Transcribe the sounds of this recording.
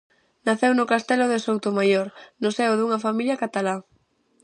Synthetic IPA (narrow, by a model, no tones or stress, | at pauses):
naθewnʊkast̪elʊðesowt̪omajoɾnʊsewðuŋɐfamiljakat̪ala